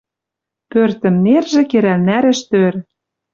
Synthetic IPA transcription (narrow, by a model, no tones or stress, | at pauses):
pørt̪ɘ̆mnerʒĕkeɾælnæɾɘ̆ʃt̪øɾ